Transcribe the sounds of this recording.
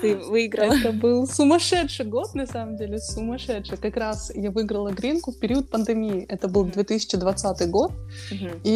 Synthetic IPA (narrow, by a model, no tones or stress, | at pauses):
t̪ɨvɨɡɾəɛt̪əbɨlˠsʊmɐʂɛtʂɨjɡo̞t̪nɐsaməmdʲelʲɪsʊmɐʂɛtʂɨjkɐkɾasjavɨɪɡɾəlˠəɡɾʲinkʊfpʲɪɾʲiət̪̚pənd̪ɨmʲijɪʔɛt̪əbɨlˠd̪vʲet̪ɨsʲɪ̥t͡ɕɪd̪vɐt̪sat̪ɨjɡo̞t̪̚ | i